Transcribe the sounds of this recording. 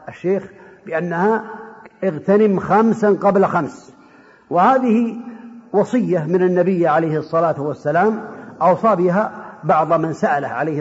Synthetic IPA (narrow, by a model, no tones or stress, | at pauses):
ʔaʃːeːx | bɪʔanːahaʔɪɣt̪anɪmxamsaqɑblxams | wɪhaːðɪhiwɑsˤɨjːamɪnɪnːabɪjːʕalajhɨsˤːɑlaːt̪wasːalaːmʔɑwsˤɑːbɪɦabɑʕðˤmansaʔala̰hʕalejh